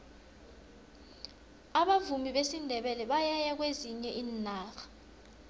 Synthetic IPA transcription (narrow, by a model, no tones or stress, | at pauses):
aɓavumiɓesindʱɛɓɛlɛɓajajak̬weziɲɛʔiːnaːxḁ